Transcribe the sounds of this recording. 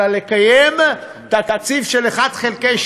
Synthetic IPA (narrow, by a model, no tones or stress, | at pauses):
alekajem | t̪at̪at͡sifʃeleχad̪χelkeʃ